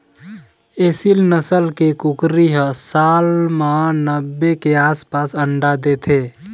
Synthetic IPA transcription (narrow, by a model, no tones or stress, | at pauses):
esilnəsəlkekukɾiɦəsalmanəbːekeaspasəɳɖad̪et̪ʰe